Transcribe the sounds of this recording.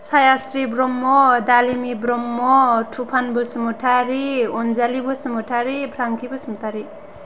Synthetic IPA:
sʰajasɾibrɔmːɔd̪alimibrɔmːɔʈʰupʰanbosmuʈʰaɾiond͡zalibosmuʈʰaɾipʰraŋkibʌsmut̪aɾi

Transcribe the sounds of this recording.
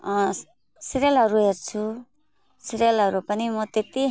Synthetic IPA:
ʌ | siɾjelʌɾuɦert͡sʰu | siɾelɦʌɾupʌnimʌt̪et̪i

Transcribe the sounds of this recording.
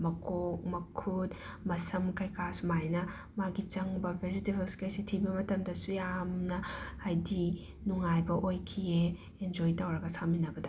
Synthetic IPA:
mɐkʰok̚mɐkʰut | mɐsɐmkɐjkʰasmajnɐ | maɡit͡ʃɐŋbɐbʱezitibɐlskɐjsitʰibɐmɐtɐmdɐsujamnɐːjdi | nuŋajbɐʔojkʰieː | nd͡ʒojtɐwɾɐɡɐsaminɐbɐdɐ

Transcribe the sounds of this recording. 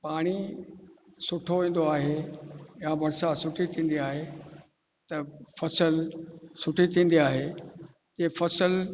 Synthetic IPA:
paːɽ̃i | sʊʈʰoʋĩːn̆d̪oaːɦejãbɐɽsasʊʈʰit̪ʰĩːn̆d̪iaːɦe | t̪ɐfɐsəlsʊʈʰit̪ʰĩːn̆d̪iaːɦe | d͡ʑeːfɐsəl

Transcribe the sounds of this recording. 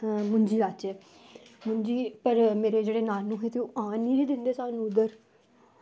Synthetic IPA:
mʊɲd͡ʒiːɾaːt͡ʃeː | mʊɲd͡ʒiːpəɾmeːɾeːd͡ʒeːɽeːnaːlnũːɦeːt̪eoʔãːniːɾiːd̪ɪnd̪eːsaːnũːd̪əɾ

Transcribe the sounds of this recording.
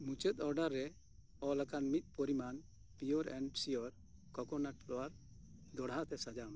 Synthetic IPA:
mut͡ʃət̪ɔɾɖaɾːɛ | ɔlakanmit̪̚poɾiman | pijɔɾɛɳɖsijɔɾ | kɔkɔnaʈlɔwaɾ | d̪ɔɽɦat̪ɛsad͡ʒana

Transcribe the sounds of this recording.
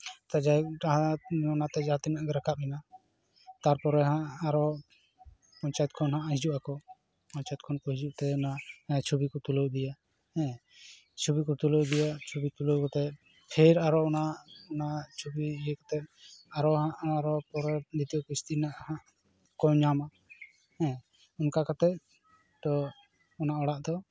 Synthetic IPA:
t̪ad͡ʒaaɦaɔnat̪ɛd͡ʒat̪inaʔkɛɾakʰap̚hɛna | t̪aɾpɔɾɛɦãʔaɾɔ | pɔɲt͡ʃajt̪̚kʰɔnɦãʔɦid͡ʒuʔakɔ | pɔɲt͡ʃajɛt̪̚kʰɔnkɔɦid͡ʒuʔt̪ɛɔnat͡ʃʰobikɔt̪ulowd̪ija | ɛ̃ | t͡ʃʰobikɔt̪ulowd̪ijat͡ʃʰobit̪ulowkɔt̪ɛ | pʰɛɾaɾɔɔnaʔɔnat͡ʃʰobiːjekɔ̥t̪ɛʔ̚aɾɔɦaʔaɾɔpɔɾɔd̪it̪ijɔkɔist̪inaʔhaʔ | kɔɲama | ɛ̃ | unkakat̪ɛ | d̪ɔ | ɔnaɔɽaʔd̪ɔ

